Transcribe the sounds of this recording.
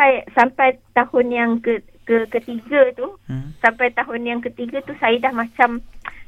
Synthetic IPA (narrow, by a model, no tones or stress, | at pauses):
ajsampajt̪ahʊnjaŋkə | kəkət̪iɡat̪usampajt̪aɦʊnjaŋkət̪iɡat̪usajədahmãt͡ʃam